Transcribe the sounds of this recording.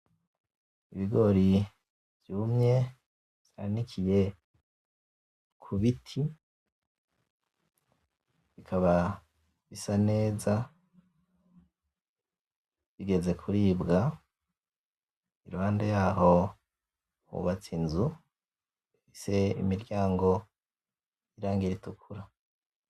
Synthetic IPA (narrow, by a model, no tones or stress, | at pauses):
iβiɡo̞ɾi | v̥juːmɲe̞ | β̥a̰nikʰije̞ | kʰuβitʰi | βikʰaβa | βisane̞ːza | βiɡe̞ze̞kʰuɾiːbɡa | iɾuhaːndejaːho̞ | ṵβat͡sinzu | ise̞ḭmiɾɟaːŋɡo̞ | iɾaːŋɡiɾitukʰuɾa